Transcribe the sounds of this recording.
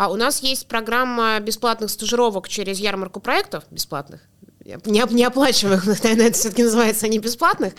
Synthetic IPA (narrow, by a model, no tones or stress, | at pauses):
aʊnasjesʲtʲpɾɐɡɾamːəbʲɪsplˠat̪nɨxst̪əʐɨɾo̞vəkt͡ɕeɾʲɪzjarmərkʊpɾɐɛk̚t̪əfbʲɪsplˠa̰t̪nɨ̰x | ɐ̰nʲɪɐnʲɪɐplˠat͡ɕɪvəjɪxvnəknɐvernəɛt̪ə̥fsʲoəkʲɪnəzɨvajɪt̪sənʲɪbʲɪsplˠat̪nɨx